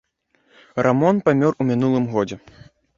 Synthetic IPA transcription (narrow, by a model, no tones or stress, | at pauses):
rʔamɔnpamʲɔrumʲinulˠɨmɣɔd͡zʲɛ